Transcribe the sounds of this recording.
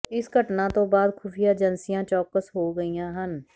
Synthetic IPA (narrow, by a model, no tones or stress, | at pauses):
ɪsɡʱəʈnat̪obaːd̪kʰuːpʰijad͡ʒɐnsijãt͡ʃɔːkəsɦoɡɐijãɦən